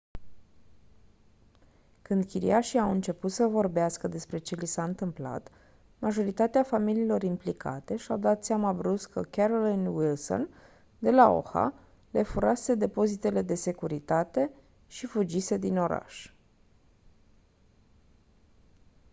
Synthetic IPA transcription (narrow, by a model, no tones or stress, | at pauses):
kɨnd̪kʲiɾḭaʃiawɨnt͡ʃe̞put̪səvo̞rbeaskəd̪e̞spɾe̞t͡ʃe̞lisaɨnt̪ɨmpla̰t̪ | maʒo̞ɾit̪at̪eafamiliːlo̞ɾimplikʰa̰t̪e̞ʃiawd̪at̪sʲjamabɾuskʰəkeɾolinwilso̞̰n | d̪e̞lao̰xa̰ | le̞fuɾase̞d̪e̞po̞zit̪e̞le̞d̪e̞se̞kuɾit̪at̪e̞ | ʃifud͡ʒise̞d̪ino̞ɾa̰ʃ